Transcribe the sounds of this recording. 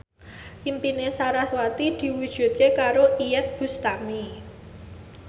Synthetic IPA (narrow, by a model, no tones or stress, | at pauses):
ʔimpinesaɾaswat̪id̪̥i̤wud̥ʒ̥ṳt̪̚kekaɾoʔijɛt̪̚b̥ṳst̪ami